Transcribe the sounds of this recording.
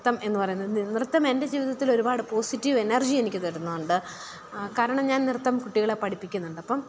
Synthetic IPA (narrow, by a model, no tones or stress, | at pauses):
t̪ːɐme̞nːɨpɐrɐjunːɐðnirɨt̪ːɐme̞nde̞d͡ʑiːʋiðɐt̪ːilo̞ɾubaːɽɨpo̞ːsitːiʋe̞nɐrd͡ʑie̞nikʲːɨt̪ɐɽunːɐðuɳɖɨ | kaːɾɐɳɐmɲaːnnirt̪ːɐmkuʈːiɣɐɭepɐɽʰipːikʲːunːuɳɖɐpːɐm